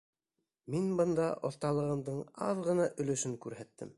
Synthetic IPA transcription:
minbɤ̆nd̪ɑʔŏ̰θt̪ɑlˠɤ̆ʁɤ̆md̪ɤɴɑðʁɤ̆nɑʔɵ̆lɘ̆ʃɘŋkʉɾhæt̪ːɘ̰m

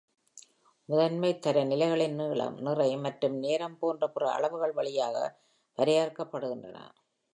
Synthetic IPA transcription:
mɪðɐnmɐɪt̪ːɐɾɐnɪlɐɪɣɐɭɪnniːɭɐ̰mnɪrɐɪmɐʈrɯmneːɾɐmpoːndrɐpɯrɐɐ̰ɭɐʋɯɣɐɭʋɐɭɪjaːɣɐ̰ | pɐɾɪjaːɾkɐpːɐɽɯɣɪndrɐ̰nɐ̰

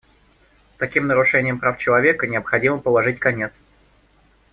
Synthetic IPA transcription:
t̪ɐkʲimnəɾʊʂɛnʲɪjəmpɾaft͡ɕɪlˠɐvʲe̞kənʲɪəpxɐdʲiməpəlˠɐʐɨt̚ʲkɐnʲe̞t̪s

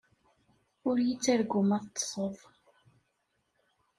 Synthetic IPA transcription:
ʊɾjit͡sːæɾɡʊmæðt̪ˤːə̥sˤəðˤ

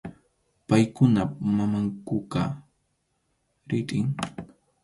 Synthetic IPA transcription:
pajkʊnamamaŋkʊqa | ɾɪtʼɪŋ

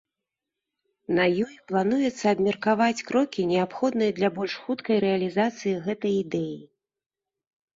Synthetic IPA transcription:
nɐjɔjplˠan̪ujɛt̪sːɐːbmʲɛrkavat͡sʲkɾɔkʲinʲɛapxɔd̪nɨjɐd̪lʲɐbɔlʲʂxut̪kɐjɾɛɐlʲizat̪sɨjiɣɛt̪ɐjid̪ɛji

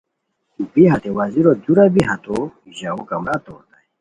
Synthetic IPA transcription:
ubiɦat̪ɛwaziɾaduɾabiɦat̪ɔ | ʒaukamat̪ɔt̪a

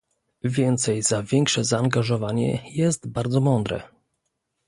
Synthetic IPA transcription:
vʲjɛnt̪sɛjzavʲjɛŋkʂɛzaːŋɡaʐɔvaɲɛ̰jɛst̪baɾd̪zɔmɔnd̪ɾɛ̰

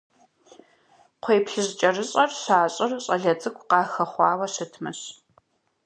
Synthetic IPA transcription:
qʷʰeːpɬɨʑt͡ʃʼɐrɨɕʼɐrɕaːɕʼɪrɕʼɐɮɐt͡sʼɨkʷʰʼqɑːxɐχʷɑːwɐɕɨtʰmɨ̰ɕ

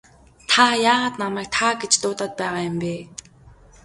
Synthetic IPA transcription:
t̪ʰajaːʁaːt̪namæːk̚t̪ʰaɡet͡ɕt̪ʊːt̪aːt̪̚pæːʁaːjʊmpeː

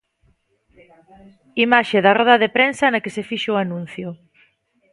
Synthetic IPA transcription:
imaʃeðarɔðɐðepɾensɐnɐkesefiʃʊanũn̟θjʊ

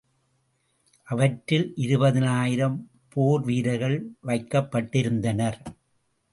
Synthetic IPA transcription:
ʔɐʋɐʈɾɪlʔɪɾɯbɐðɪnaːjɪɾɐm | poːɾʋiːɾɐɪɣɐɭʋɐɪkːɐpːɐʈːɪɾɯnd̪ɐnɐɾ

